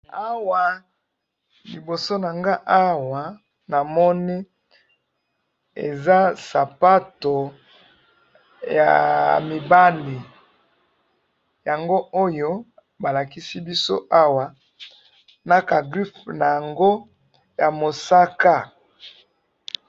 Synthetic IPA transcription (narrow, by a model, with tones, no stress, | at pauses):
a˦wa˨ | li˨bo˨so˦na˨ŋɡa˦ʔa˦wa˨ | na˨mɔ˦ni˦ | ḛ˨za˦sa˨pa˦to˨ | ja̰˨mi˨ba˦li˨ | ja˨ŋɡo˦o˦jo˦ | ba˨la˨ki˦si˦bi˦so̰˦ʔa˦wa˨ | na˦ka˨ɡʁi˦fna˨ja˨ŋɡo˦ | ja˨mo˨sa˦ka˦